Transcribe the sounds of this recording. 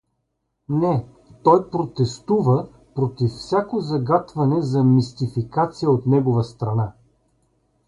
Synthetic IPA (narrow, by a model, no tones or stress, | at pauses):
nɛ | t̪ɔjpɾot̪ɛst̪uvə | pɾot̪iffsʲjakozɐɡat̪vɐnɛzɐmist̪ifikat̪sijəot̪nɛɡovəst̪ɾɐna